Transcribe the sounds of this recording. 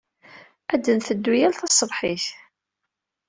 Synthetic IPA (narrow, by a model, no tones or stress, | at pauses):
æd̪ːənθəd̪ːujælθɑsˤːəbħiθ